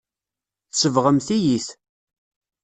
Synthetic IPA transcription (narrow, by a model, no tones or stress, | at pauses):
θsəvʁəmθijiθ